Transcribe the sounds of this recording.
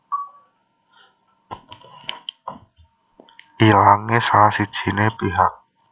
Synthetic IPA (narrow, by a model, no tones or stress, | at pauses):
ʔilaŋesasid̥ʒ̥i̤nepiɦaʔ̚